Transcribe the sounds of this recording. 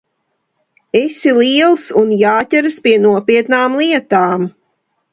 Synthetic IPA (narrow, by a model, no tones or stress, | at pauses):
esilˠiɛlˠsunjaːt̪ʲɛɾɨspiɛnuɔpiɛt̪naːmlˠiɛt̪aːm